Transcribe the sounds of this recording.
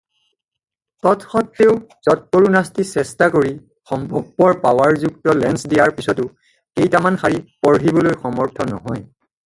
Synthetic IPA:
tɔtxɔtːeʊz̥ɔt̚poɹunastisɛstakoɹi | xɔmbʱɔɡ̚ːɔɹpawaɹzuktɔlɛnsdijaɹpisɔtʊ | ejtamanxaɹipɔɹɦibɔlojxɔmɔɹtʰɔnɔ̰ɦɔj

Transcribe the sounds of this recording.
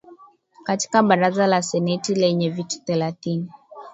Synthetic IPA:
kati̥kaɓaɾazalasɛnɛtilɛɲɛvitu̥θɛlaθini

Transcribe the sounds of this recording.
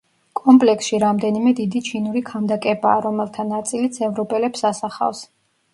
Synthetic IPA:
kʼɔmpʼlɛksʃiɾamd̪ɛnimɛd̪id̪it͡ʃʰinuɾikʰamd̪akʼɛbaːɾɔmɛlˠt̪ʰanat̪sʼilit̪sʰɛvɾɔpʼɛlɛpsasaχa̰fs

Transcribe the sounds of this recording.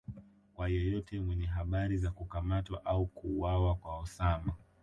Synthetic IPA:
kwajɔjɔtʰɛmwɛɲɛɦaɓaɾizakukamatwaʔaukuːwawakwaɔsama

